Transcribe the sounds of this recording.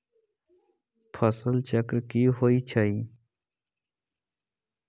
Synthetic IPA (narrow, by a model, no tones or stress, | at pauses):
pʰəsəlt͡ɕəkɾkiːɦoːiːt͡ɕʰəĩː